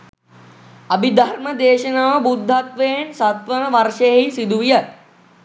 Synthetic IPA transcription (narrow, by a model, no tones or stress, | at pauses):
ɐbid̪ʱaɾməd̪eːʃənaːʋəbud̪ʱːat̪ʋeensat̪ʋənəʋarʂeɦisid̪uʋijə